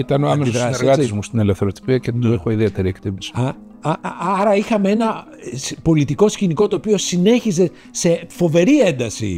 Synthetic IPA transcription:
it̪ɐnoɐmesoðɾɐsɾɣɐt̪izmust̪inelefθeɾot̪i̥piɐcet̪oexoiðiet̪eɾiekt̪imbisi̥ɐ | ɐɐɾɐixɐmee̞nɐ | spo̞lit̪iko̞sciniko̞t̪oːpio̞sine̞çize̞ | se̞fo̞ve̞ɾie̞nd̪ɐsḭ

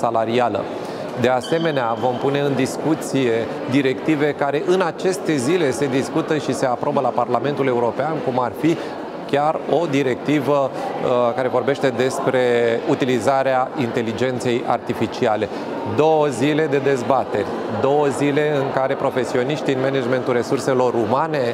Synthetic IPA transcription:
salaɾialə̰ | d̪e̞ase̞me̞neavo̞mpune̞ɨnd̪iskut̪sije̞ | d̪iɾe̞kt̪ive̞kaɾe̞ʔɨnat͡ʃe̞st̪e̞zile̞se̞d̪iskut̪əʃise̞apɾo̞bəlaparlame̞nt̪ule̞uɾo̞peankumarfi | kʲaro̞d̪iɾe̞k̚t̪ivə | kaɾe̞vo̞rbe̞ʃt̪e̞d̪e̞spɾe̞ut̪ilizaɾeaint̪e̞lid͡ʒe̞nt̪se̞ja̰rt̪ifit͡ʃiale̞ | d̪o̞wəzile̞d̪e̞d̪e̞zbat̪e̞rʲ | d̪o̞wəzile̞ɨŋkaɾe̞pɾo̞fe̞sio̞niʃt̪inmened͡ʒme̞nt̪ulre̞surse̞lo̞ɾumane̞

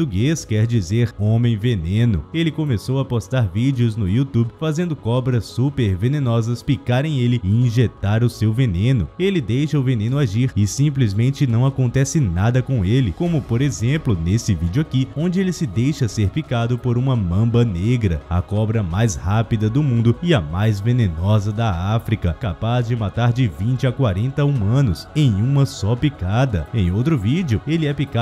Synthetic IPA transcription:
ot̪uɡeskɛɾd͡ʒizeɾõmẽj̃venẽnʊ̰elɪkõmesowapost̪aɾvid͡ʒɪʊznʊiut̪ubɪfazẽnd̪ʊkɔbɾɐsːupeɾvenẽnɔzɐspikaɾẽj̃elɪɪĩʒet̪aɾʊsewvenẽnʊelɪd̪ejʃɐʊvenẽnʊaʒiɾɪsĩplizmẽnt͡ʃɪnɐ̃w̃akõnt̪ɛsɪnad̪ɐkõw̃elɪkõmʊpoɾezẽmplʊnesɪvid͡ʒɪʊakiõnd͡ʒɪelɪsɪd̪ejʃɐseɾpikad̪ʊpoɾũmɐmɐ̃mbɐneɡɾɐɐ̰kɔbɾɐmajshapid̪ɐd̪ʊmũnd̪ʊɪɐmajzvenẽnɔzɐd̪ɐafɾikɐkapazd͡ʒɪmat̪aɾd͡ʒɪvĩnt͡ʃɪakwaɾẽnt̪ɐũmɐ̃nʊsẽj̃ũmɐsɔpikad̪ɐẽj̃owt̪ɾʊvid͡ʒiʊelɪɛpika

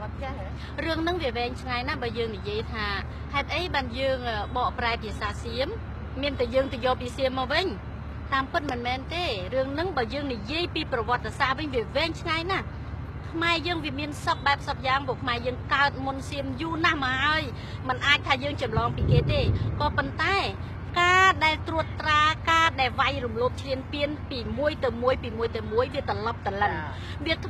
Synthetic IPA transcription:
rɨəŋnɨŋʋiəʋɛːŋt͡ɕʰŋajnahɓaːjəːŋnijiəjt̪ʰaː | haɛt̪̚ʔəjɓaːnjəːŋəːɓɑːʔpraɛpʰiəsaːsiəmː | iənt̪ajəːŋt̪ajɔːpiːsiəmːɔːʋɨɲ | t̪aːmpɨt̪̚mɨnmɛːnt̪eːrɨəŋnɨŋɓaːjəːŋnijiəjpiːprɑʋŏət̪ːesahʋɨɲʋiəʋɛːŋt͡ɕʰŋajnah | kʰmaɛjəːŋʋiəmiənsəp̚ɓaɛp̚səp̚jaːŋpoəkʰmaɛjəːŋkaət̪̚mʊnsiəmjuːnahmɔhaəj | mɨnʔaːc̚t̪ʰaːjəːŋt͡ɕɑmlɑːŋpiːkeːt̪eːkɑːpont̪aɛ | kaːɗaɛlt̪ruət̪ːraːkaːɗaɛlʋajrumloːp̚t͡ɕʰliənpiənpiːmuəjt̪ɨwmuəjpiːmuəjt̪ɨwmuəjʋiət̪ɔlɑp̚t̪ələn | ʋiət̪ʰ

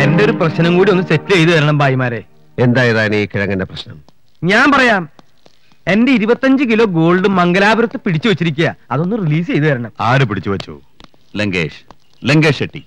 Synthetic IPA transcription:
e̞ndeo̞ɾuprɐɕnɐmkuːɽio̞nːɨse̞tːilejt̪ɨʋɐɾɐɳɐmbaːjɐmaːɾe̞ː | e̞nd̪aːjɐðaːniːkiɻɐŋːɐndɐprɐɕnɐm | ɲaːnpɐrɐjaːm | e̞nde̞iɾubɐt̪ːɐɲd͡ʑɨk̬ilo̞ːɡo̞ːɭɖumːɐŋɡɐlaːbɐɾɐt̪ːɨpiɽit͡ɕːuʋɐt͡ɕːiɾikʲːujɐɐðo̞nːɨriliːs̬ejt̪ɨʋɐɾɐɳɐmaːɾup̬iɽit͡ɕːuʋɐt͡ɕːo̰ː | leŋɡḛːʂ | leŋɡeːʂeʈːḭ

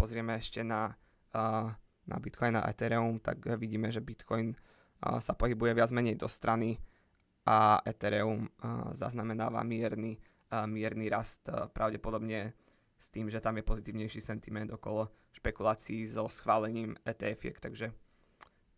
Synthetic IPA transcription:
pɔzɾɪɛmɛɛʃcɛna | na̰bit̪kɔjna̰ʔɛ̰t̪ɛɾɛumt̪a̰ɡʋiɟiːmɛʒɛbit̪kʰɔjn | sapɔɦibujɛʋɪad͡zmɛɲɛjd̪ɔst̪ɾani | ʔaɛt̪ɛɾɛumza̰znamɛnaːʋa̰mɪɛɾni | mɪɛɾniɾast̪pɾʔaʊɟɛpɔd̪ɔbɲɛ | st̪iːmʒɛt̪amjɛpɔzit̪iːʊɲɛjʃisɛnt̪imɛnd̪ɔkɔlɔ | ʃpɛkulaːt͡siːzɔsxʋaːlɛɲiːmɛːt̪ɛɛfiɛ̰kt̪aɡʒɛ

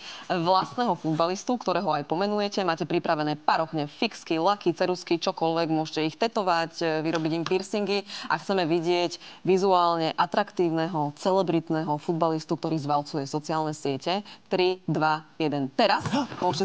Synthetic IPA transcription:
ʋlast̪nɛɦɔfud̪balist̪ukt̪ɔɾɛːɦɔajpɔmɛnujɛcɛmaːcɛpɾipɾaʋɛnɛːpaɾɔxɲɛfikskilakit͡sɛɾuskit͡ʃɔkɔlʋɛɡmʊɔʃcɛixt̪ɛt̪ɔʋacʋiɾɔbiɟimpiɾsiŋɡia̰xt͡sɛmɛʋiɟɪɛɟʋizuaːlɲɛʔat̪ɾakt̪iːʊnɛɦɔt͡sɛlɛbɾit̪nɛɦɔfud̪balist̪uk̚t̪ɔɾiːzʋalt͡sujɛsɔt͡siaːlnɛsɪɛcɛt̪ɾid̪ʋajɛd̪ɛnt̪ɛɾasmʊɔʃcɛ

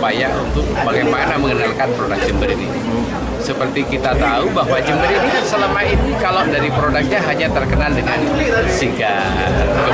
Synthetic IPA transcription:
pajaʔunt̪ʊk̚paɡajmanaməŋənalkanpɾodak̚d͡ʒəmbəɾinḭ | səpərt̪ikit̪at̪aubaɦwad͡ʒəmbəɾinisəlamainikalodaɾipɾodak̚ɲaɦaɲat̪ərkənaldəŋansiɡa | rkə

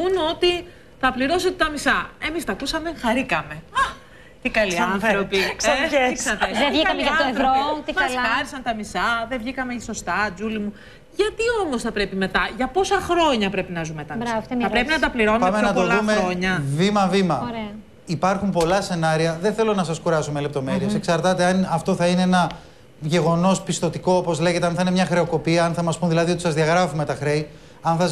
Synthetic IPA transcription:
uno̞t̪i | θɐpliɾo̞set̪et̪ɐmisɐe̞mist̪ɐkusɐmeðŋxɐɾikɐme̞ | t̪ikɐliɐnθɾopikɐksɐt̪eevikɐɐmeɐɐoeθvoɾomɐsɐɾisɐnt̪ɐmisɐðevʝikɐmeiso̞st̪ɐd͡zulimu | ʝɐt̪io̞mosθɐpɾe̞pime̞t̪ɐʝɐpo̞sɐxɾo̞ɲɐpɾe̞pinɐzumet̪ɐɾɐpɾepinɐt̪ɐpliɾo̞npɐmenɐt̪olðumeoɲɐvimɐvimɐɾeɐ | ipɐɾxumpo̞lɐse̞nɐɾiɐðe̞nθe̞lo̞nɐsɐskuɾɐsumele̞p̚t̪o̞meɾieseksɐɾt̪ɐt̪eɐnɐft̪o̞θɐine̞enɐ | ʝe̞ɣo̞no̞spist̪o̞t̪iko̞opo̞zle̞ʝe̞t̪eɐnθɐine̞mɲɐxɾe̞o̞ko̞piɐɐnθɐmɐspunðilɐðio̞t̪i̥sɐzðiɐɣɾɐfume̞t̪ɐxɾej | ɐnθɐz

